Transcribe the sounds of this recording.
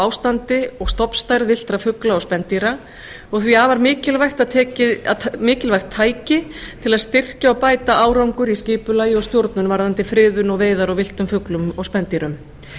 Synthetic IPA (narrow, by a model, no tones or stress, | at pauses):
awst̪ant̪ɪɔɣst̪ɔpn̥st̪ajɾvɪl̥t̪ɾafʏklaɔspɛnt̪iɾa | ɔɣθviaːvaɾmɪːcɪlvajxt̪aðt̪ʰɛːcɪamɪːcɪlvajxt̪ʰːaːjcɪt̪ʰɪlaðst̪ɪr̥caɔwpaːjt̪aʔaːwɾawŋkʏɾiscɪːpʏlaːjɪɔɣst̪jowɾt̪nʏnvaɾðant̪ɪfɾɪːðʏnɔɣveːjðaɾɔwvɪl̥t̪ʏmfʏklʏmɔɣspɛnt̪iɾʏm